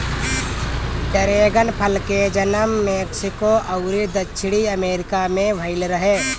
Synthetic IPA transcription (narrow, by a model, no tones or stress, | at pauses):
t͡ʃɐɾeːɡənpʰəlked͡ʒənəmːeːksɪkoʔɐʊɾid̪ət͡ʃʰɽiɐmeːɾɪkamẽʋʱəɪlɾəɦeː